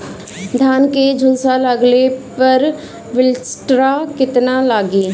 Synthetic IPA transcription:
d̪ʱaːnked͡ʒʱʊlsaləɡlepɐɾ | ʋɪlsʈɾakɪt̪nalaːɡeː

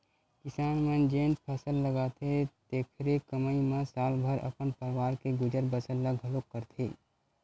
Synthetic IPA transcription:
kɪsaːnmə̃nd͡ʒeːnpʰɐsəlːəɡaːt̪ʰet̪eːkʰɾekəməimãsaːlbʱəɾʔə̰pənpəɾɪwaːɾkeɡʊd͡ʒəɾbəsəlːəɡʱɦəlokːəɾt̪ʰḛː

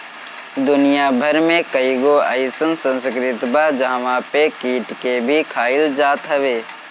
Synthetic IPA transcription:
d̪ʊnijabʱəɾmẽkəiɡoaɪsənsə̃nskɾɪt̪baːd͡ʒaːʋãpekiːʈkebʱikʰaːɪld͡ʒaːt̪ɦɛʋeː

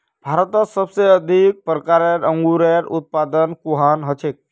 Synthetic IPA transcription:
b̥ʱaɾət̪əsəbseəd̪ʱik̚pɾəkaɾaɾəŋɡuɾeɾut̪̚pad̪ənkuɦanɦət͡ʃʰek̚

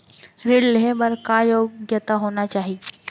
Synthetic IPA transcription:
ɾeɽleɦebɐɾkajoːɡjət̪aɦoːnat͡ʃaːɦie

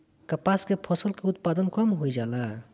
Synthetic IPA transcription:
kəpaskepʰɔsəlkeut̪̚pad̪ənkɔmɦojd͡ʒalã

